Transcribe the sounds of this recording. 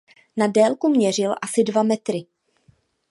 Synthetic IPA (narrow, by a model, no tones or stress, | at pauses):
nadɛːlkumɲɛr̝ɪlʔasɪdvamɛt̪ɾɪ